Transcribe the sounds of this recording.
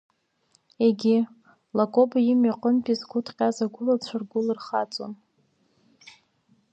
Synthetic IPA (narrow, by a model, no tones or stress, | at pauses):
eɡʲɪ | lakʷʼobajɪmaqʼənpʼizɡʷʊtʰqʲʼazaɡʷʊlat͡ɕʷʰarɡʷʊlɨrχat͡sʼo̰n